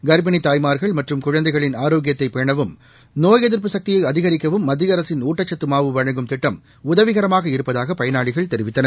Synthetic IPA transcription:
ɡɐɾbɐɳit̪aːjmaːɾɣɐɭmɐʈrɯmkʊɻɐnd̪ɐɪɣɐɭɪnaːɾoːɡɪjɐt̪ːɐɪpːejɐɳɐʋɯm | noːjɛðɪɾp̬ɯsɐk̚t̪ɪjɐɪɐðɪɣɐɾɪkːɐʋɯmːɐd̪ːɪɐɾɐsɪnuːʈːɐt͡ʃːɐt̪ːɯmaːʋɯʋɐɻɐŋɡɯmt̪ɪʈːɐm | ʊðɐʋɪɣɐɾɐmaːɣɐɪɾɯpːɐðaːɣɐpɐjɐnaːɭɪɣɐɭt̪ɛɾɪʋɪt̪ːɐnɐɾ

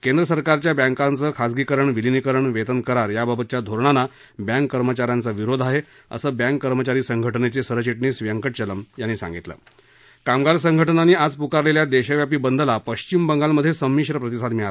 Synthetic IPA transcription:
kend̪ɾəsəɾkaɾt͡ɕjabɛ̃ŋkãnt͡səkʰad͡zɡikəɾəɳʋilinikəɾəɳʋet̪ənkəɾaɾjababət̪t͡ɕjad̪ʱoɾɳana | bjãŋkːəɾmət͡ɕaɾjant͡səʋiɾod̪ʱaɦe | ə̰səːbjãŋkːəɾmət͡ɕaɾiːsəŋɡʱəʈənet͡sesəɾət͡ɕiʈnisʋijəŋkəʈt͡ɕələmjanːiːsa̰ŋɡit̪lə̰ː | kamɡaɾsəŋɡʱəʈənaniːad͡zpukaɾleljad̪eɕəʋjapiːbənd̪ʱəlapəɕt͡ɕimbəŋɡalməd̪ʱːjesəmːiɕɾəpɾət̪isʰad̪miɭa

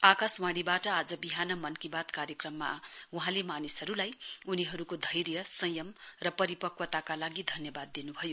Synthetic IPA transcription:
akaswaɽ̃ibaʈʌad͡zʌbiɦanʌmʌnkibat̪kaɾjʌkrʌmːa̰uɦãlemanisʌɾulajuniɦʌɾukod̪ʱʌjrjʌsʌjʌmrʌpʌɾipʌkwʌt̪akalaɡid̪ʱʌnjʌbad̪ːinubʱʌjo

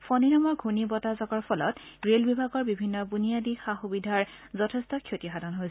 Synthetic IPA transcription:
fʰɔninɔmɔɹɡʱunibɔtazɔkɔɹpʰɔlɔ̰tɡɹelbibʱaɡɔɹbibʱinːɔbunijadixaxubidʱaɹzɔtʰestɔkʰjotixadʱanɦoj

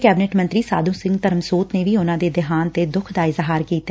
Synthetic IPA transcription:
kɛːbɪnɛːʈmənt̪ɾiːsa̰ːd̪ũːsɪ̃ŋɡt̪əɾəmsoːt̪neːʋiːʊnãːd̪eːd̪ɪɦaːnt̪ed̪ʊkʰd̪aːɪzɦaːɾkiːt̪a

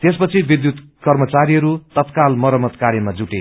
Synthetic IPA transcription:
t̪espʌt͡sʰibid̪jut̪ | kʌrmʌt͡saɾiɦʌɾut̪ʌt̪kalmʌɾʌmʌt̪kaɾjʌmad͡zuʈe

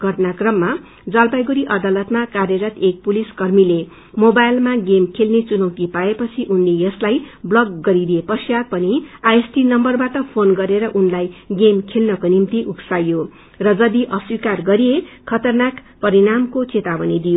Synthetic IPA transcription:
ɡʱʌʈʌnakrʌmːa | d͡zʌlbajɡuɾiʔʌd̪alʌt̪makarjʌɾʌt̪ek̚puliskʌrmile | mobajlmaɡemkʰelnet͡sunʌwkipaepʌt͡sʰiʔunlejʌslajblʌɡːʌɾid̪iepʌsjad̪̚pʌniajesʈinʌmbʌrbaʈʌpʰonɡʌɾeɾʌʔunlajɡemkʰelnʌkonimt̪iʔuksajjo | rʌd͡zʌd̪iʔʌswikarɡʌɾijekʰʌt̪ʌrnak | pʌɾinamkot͡set̪abʌnid̪ijo

